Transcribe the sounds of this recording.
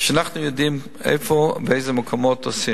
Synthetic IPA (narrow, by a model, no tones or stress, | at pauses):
ʃanaχnujɔdim | ɛ̰ɪfɔbeɪzəməkʰɔmɔtɔsi